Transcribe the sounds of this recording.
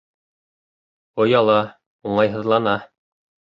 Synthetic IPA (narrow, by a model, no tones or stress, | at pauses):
ŏjɑlˠɑ | uɴɑjɦɤ̆ðlˠɑnɑ